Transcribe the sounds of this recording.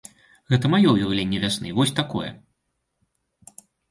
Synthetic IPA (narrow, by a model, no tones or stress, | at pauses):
ɣɛt̪ɐmajɔjɛɣlʲenʲːɛvʲasnɨvɔsʲt̪akɔjɛ̰